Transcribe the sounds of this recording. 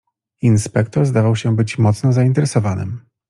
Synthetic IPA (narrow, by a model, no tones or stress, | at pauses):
inspɛkt̪ɔɾzd̪avawɕɛbɘt͡ɕmɔt̪snɔzaint̪ɛɾɛsɔvanɘ̰m